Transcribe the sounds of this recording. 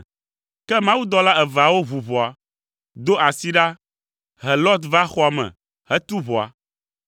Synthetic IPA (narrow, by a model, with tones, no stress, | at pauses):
kɛ˦mã˦wu˦d̪ɔ˦la˦ɛ˨va˨wo˦vu˨vɔ˨a˨ | d̪o˦ʔa˨si˦ɖa˦ | ɦɛ˨lɔ˦d̪va˦xɔ˦a˨mɛ̰̃˨ | hɛ˦t̪u˦vɔ˨a̰˨